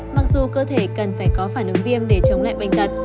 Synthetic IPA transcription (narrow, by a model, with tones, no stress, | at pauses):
ma˨˩k̚zu˨˩kəː˧t̪ʰe˧˩kə˨˩nfaː˧˩jkɔ˨˦faː˧˩nʔɨ˨˦ŋvi˧əmɗe˧˩t͡ɕə˨˦wŋ͡mla̰ː˧˨jɓa˨˩ŋ̟t̪ə˨˩t̚